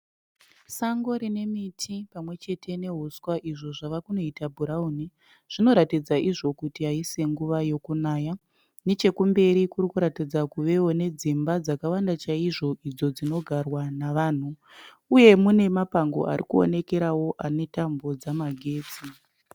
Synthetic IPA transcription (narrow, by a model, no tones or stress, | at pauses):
saŋɡo̞ɾine̞mitʰipamwe̞t͡ʃe̞tʰe̞ne̞ɦuskwaʔiʐo̞ʐaʋakuno̞itabʱuɾauni | ʐ̥ino̞ɾatid͡zaʔiʐo̞kutiɦaise̞ŋɡuʋajo̞kunaːja | ne̞t͡ʃe̞kumbe̞ɾikuɾikuɾatid͡zakuʋe̞wo̞ne̞d͡zimbad͡zakawandat͡ʃaiʐo̞ʔid͡zo̞d͡zino̞ɡʱarwanaʋaːn̤u | uje̞mune̞mapaŋɡo̞̰a̰ɾikuo̞̰ne̞ke̞ɾawo̞ʔane̞tambo̞d͡zamaɡʱe̞ːd͡zi